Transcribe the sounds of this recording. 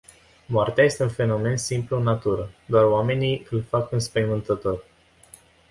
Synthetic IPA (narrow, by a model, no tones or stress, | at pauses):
moart̪eaje̞st̪eunfe̞no̞me̞nsimpluɨnːat̪uɾəd̪oaroame̞niɨlfakɨnspəjmɨnt̪ət̪o̞r